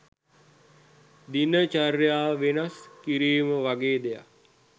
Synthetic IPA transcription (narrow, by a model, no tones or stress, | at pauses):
d̪inət͡ʃarjaːʋenaskiɾiːməʋaɡeːd̪eja̰